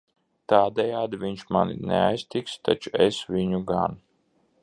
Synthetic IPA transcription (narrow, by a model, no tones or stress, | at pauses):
t̪aːd̪ɛjaːd̪ivʲiɲʃmanḭnḛa̰jst̪ikst̪a̰t͡ʃuɛsvʲiɲuɡa̰n